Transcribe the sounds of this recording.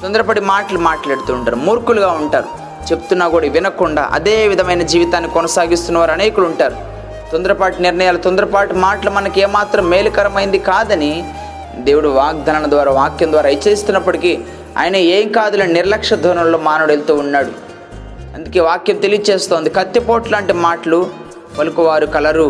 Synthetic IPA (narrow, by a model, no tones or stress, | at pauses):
t̪ɔnd̪ɐɾɐpɐɽimaːʈɐlumaːʈlaːɽt̪uːɳʈa̰ːɾumuːɾkuluɡaːuɳʈaːɾu | t͡ʃe̞pu̥t̪unːaːɡuːɽɐʋinɐkuɳɖa̰ːʔɐ̰d̪e̞ːʋid̪ʱɐmɐjnɐd͡ʒiːʋit̪aːnːikɔnɐsaːɡist̪unːɐʋaːɾɐneːjkuluɳʈaːɾu | t̪ɔnd̪ɐɾɐpaːʈuniɾnɐjaːlut̪ɔnd̪ɐɾɐpaːʈumaːʈlumɐnɐkeːmaːt̪ɾɐmːe̞ːlukɐɾɐmɐjind̪ikaːd̪ɐni | d̪eːwuɽuʋaːɡ̚d̪ʱɐnɐɳɐd̪ʋaːɾaːʋaːkjɐmd̪ʋaːɾaːit͡ʃːɐɾist̪unːɐpːɐɽiki | a̰ːjɐnɐeːŋkaːd̪ulɐniniɾɐlɐkʂɐd̪ʱoːnɐmlo̞ːmaːnuɽelt̪uːunːaːɽṵ | ɐnd̪uke̞ːʋaːkjɐmt̪elijt͡ʃeːst̪o̞ːnd̪ikɐt̪ːipoːʈlaːɳʈimaːʈɐlu | pɐlukuʋaːɾukɐlɐɾu